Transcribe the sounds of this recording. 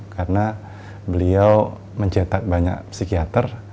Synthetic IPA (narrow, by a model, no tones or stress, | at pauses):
karəna | bəliaw | məɲt͡ʃet̪ak̚baɲa̰k̚psikiat̪ər